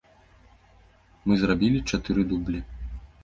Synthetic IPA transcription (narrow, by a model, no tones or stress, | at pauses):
mɨzrabʲilʲit͡ʂat̪ɨɾɨd̪ublʲi